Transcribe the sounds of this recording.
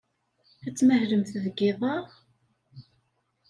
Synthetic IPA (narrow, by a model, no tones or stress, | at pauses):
æt͡sːməhləmθðəɡɪðˤɑ